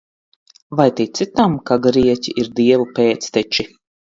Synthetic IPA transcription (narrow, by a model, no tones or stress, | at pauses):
vajt̪ʲit̪sit̪amkaɡɾiɛcʲiʔiɾd̪iɛvupeːt̪st̪ɛt͡ʃi